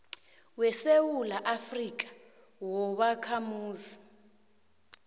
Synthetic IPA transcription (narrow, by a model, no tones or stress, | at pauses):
wɛsewulaʔafrik̬ʼḁ | wɔɓakʰamuːzi